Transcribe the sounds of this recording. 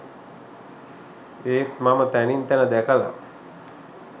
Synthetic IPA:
eːt̪mamət̪ænint̪ænəd̪ækəla̰

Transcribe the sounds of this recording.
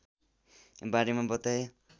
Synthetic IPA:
baɾemabʌt̪aj

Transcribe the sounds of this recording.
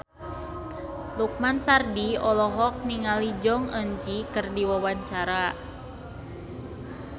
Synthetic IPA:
luk̚mansardiɔlɔɦɔk̚niŋalid͡ʒɔŋənd͡ʒikɨrdiwawaɲt͡ʃaɾa

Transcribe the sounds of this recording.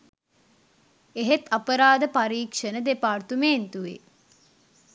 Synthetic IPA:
eɦet̪apəɾaːd̪əpaɾiːkʂənəd̪epaːrt̪umeːnt̪uʋḛ

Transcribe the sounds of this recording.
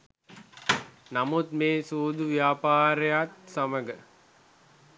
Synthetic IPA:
namut̪meːsuːd̪uʋjaːpaːɾəjat̪saməɡə

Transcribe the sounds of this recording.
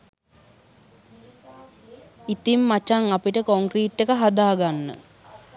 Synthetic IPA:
it̪imːat͡ʃaŋapiʈəkoŋkriːʈːekəɦad̪aːɡanːə̰

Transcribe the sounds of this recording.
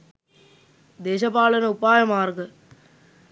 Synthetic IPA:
d̪eːʃɐpaːɭɐnɐʊpːaːjɐmaːɾɣɐ

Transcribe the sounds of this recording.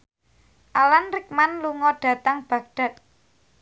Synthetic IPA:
ʔalanrɪk̚manluŋɔɖ̥ä̤t̪aŋb̥ä̤ɡ̚ɖ̥a̤t̪̚

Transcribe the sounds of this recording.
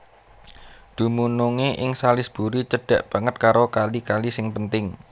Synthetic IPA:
d̪̥ṳmunuŋeʔɪŋsalɪsb̥ṳɾit͡ʃəɖ̥ä̤ʔb̥ä̤ŋət̪̚kaɾokalikalisɪŋpənt̪ɪŋ

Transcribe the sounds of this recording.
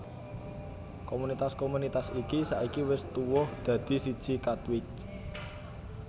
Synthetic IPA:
komunit̪askomunit̪asikisaʔikiwɪst̪uwɔhd̪̥ä̤d̪̥i̤sid̥ʒ̥ikat̪wɪt͡ʃ

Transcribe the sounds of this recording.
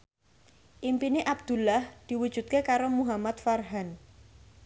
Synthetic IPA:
ʔimpineʔab̚d̪̥ṳlahd̪̥i̤wud̥ʒ̥ṳt̪̚kekaɾomuɦamat̪̚farɦan

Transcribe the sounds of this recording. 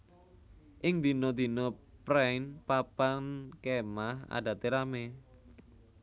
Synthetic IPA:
ʔɪŋd̪i̤nɔd̪i̤nɔpɾanpapaŋkemaha̰dä̤t̪eɾame

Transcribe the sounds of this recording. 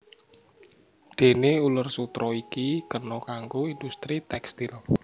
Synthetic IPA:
d̪̥e̤neulʊrsut̪ɾɔikikərnɔkaŋɡoind̪ust̪ɾit̪ɛkst̪ɪl

